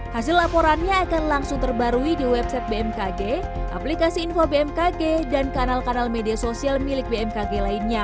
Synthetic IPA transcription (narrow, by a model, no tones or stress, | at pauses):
hasɪlapoɾanɲaːkanlaŋsʊŋt̪ərbaɾuidiwɛb̚sɛt̪̚beɛmkaɡe | ʔa̰plikasiːnfobeɛmkaɡedankanalkanalmediasosialmilɪk̚beɛmkaɡelainɲa